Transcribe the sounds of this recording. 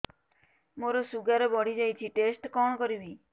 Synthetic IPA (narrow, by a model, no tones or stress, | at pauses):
moɾosuɡaɾebɔɽ̤id͡ʒajt͡ʃʰiʈesʈkɔɳ̃kɔɾibi